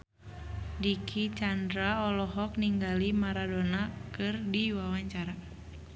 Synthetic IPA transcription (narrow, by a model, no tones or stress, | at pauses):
dikʰit͡ʃandɾaɔlɔɦɔk̚niŋɡalimaɾadɔnakɨrdiwawaɲt͡ʃaɾa